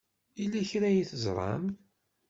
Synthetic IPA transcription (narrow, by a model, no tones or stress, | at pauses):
ilːæçɾæjiθəzˤɾˤɑ̰m